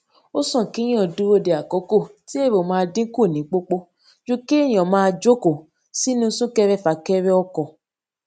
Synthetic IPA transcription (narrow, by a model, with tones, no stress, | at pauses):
o˦sɔ̃˦˨ki˨˦j̃ĩ˦ɔ˨du˨˦wo˦˨de˨a˨kɔ˨˦ko˦˨ti˦e˦˨ɾo˨mãː˧dĩ˦ku˦˨nĩ˨˦k͡po˦k͡po˦ | d͡ʒu˦ki˦e˦˨j̃ɔ̃˨mãː˧d͡ʒo˦ko˦˨ | si˦nũ˦sũ˦kɛ˦˧ɾɛ˦fa˧˨kɛ˦ɾɛ˦ɔ˦kɔ˨